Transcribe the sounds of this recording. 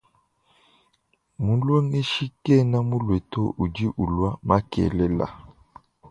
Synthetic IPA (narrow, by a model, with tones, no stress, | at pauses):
mu˨˦lwe˦ŋe˦ʃi˦kɛ˦˨na˦mu˦lwe˨to˦ʔu˨d͡ʒi˦ʔu˨lwa˦ma˦kɛ̰˨lɛ˦la̰˨